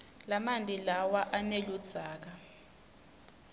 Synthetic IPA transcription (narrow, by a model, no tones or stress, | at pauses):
lamandʱʼilawaʔanelud̥d͡z̥ʱaːk̬a